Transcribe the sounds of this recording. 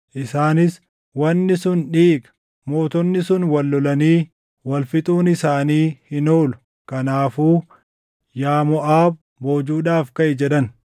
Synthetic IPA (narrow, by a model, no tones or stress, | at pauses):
ʔɪsaːnɪs | wɐnːɪsʊnᶑiːɡɐ̥ | mo̞ːt̪ɔnːɪsʊnwɐlːɔlɐniː | wɐlfɪt̪ʼuːnɪsaːniːhɪnoːlʊ̥ | kɐnaːfuː | jaːmɔʔaːb | boːd͡ʒuːᶑaːfkɐʔɪd͡ʒɛᶑɐn